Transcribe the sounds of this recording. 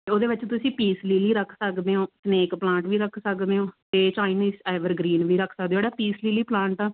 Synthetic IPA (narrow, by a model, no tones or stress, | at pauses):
t̪eːoːd̪eːʋɪt͡ʃt̪ʊsĩːpiːsliːliːɾəkʰsəkd̪eːɦõːsneːkplãːɳʈʋiːɾəkʰsəkd̪eːɦõːt̪eːt͡ʃaːiniːsaːʋəɾɡɾiːnʋiːɾəkʰsəkd̪eːoːɽaːpiːsliːliːplãːɳʈaː